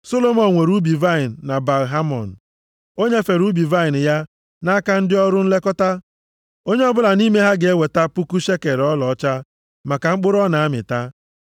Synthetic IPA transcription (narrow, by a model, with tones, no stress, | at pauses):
so˦lo˦mɔ˨n˨ŋʷe˨ɾu˦bi˨va˦i˨n̩ː˨a˨ba˨lɦa˦mɔ̰˨n̩˨ | o˦ɲe˦fe˨ɾu˦bi˨va˦i˨n̩˨ja˦ | na˦ka˦n̩˦dɪ˦ɔ˦ɾʊ˦n̩˦le˦kɔ˦ta˦ | o˦ɲe˦ɔ˦bʊ˦la˨ni˦me˦ɦa˦ɡe˦we˨ta˦pu˦ku˦ʃe˦ke˨ɾɔ˦lɔ˨ɔ˦t͡ʃa˦ | ma˨ka˨ŋ͡m̩˦k͡pʊ˦ɾɔ˦na˨a˦mɪ̰˨ta˦